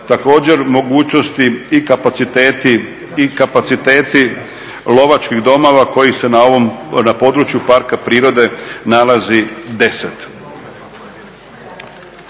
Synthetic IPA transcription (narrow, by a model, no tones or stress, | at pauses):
t̪ako̞ːd͡ʑe̞ɾmo̞ɡuːt͡ɕno̞st̪iːkap̪it̪et̪i | ikapat̪sit̪e̞ːt̪i | lo̞ʋat͡ʃkiɣd̪o̞mo̞ʋako̞jise̞naoʋomnapo̞ːd̪ɾut͡ʃjupaɾkapɾiːɾo̞d̪e̞nalazid̪e̞set̪